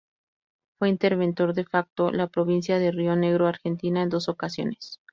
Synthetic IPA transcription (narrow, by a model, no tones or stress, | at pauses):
fwe̞int̪e̞ɾβe̞nt̪o̞ɾðe̞fak̚t̪o̞lapɾo̞β̞ins̬jaðe̞rio̞ne̞ɣ̞ɾo̞aɾxe̞nt̪inae̞nd̪o̞so̞kasjo̞̰nes